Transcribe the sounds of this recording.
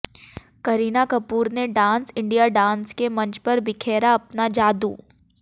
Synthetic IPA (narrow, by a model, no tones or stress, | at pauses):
kɐɾiːnakɐpuːɾneɖãːnsɪ̃ɳɖijaɖãːnskemɐ̃ɲt͡ʃpɐɾbɪkʰeːɾaɐpnad͡ʒaːd̪ṵː